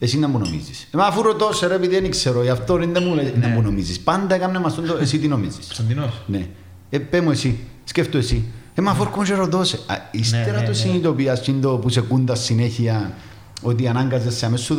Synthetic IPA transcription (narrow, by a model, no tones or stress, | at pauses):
esinːɐmbunomḭzisemafuɾot̪oseɾepiðienikseɾoiaft̪oɾind̪emulend̪ɐmbunomizispand̪ɐekamːemɐst̪ond̪oesit̪inomizisnd̪inone | epemuesisceft̪oesiemafoɾkomuʃeɾoðosḛist̪eɾat̪osinit̪opiɐst͡ʃind̪opusekund̪ɐsːineçiɐ | ot̪̬ianaŋɡɐzesːeamesːuð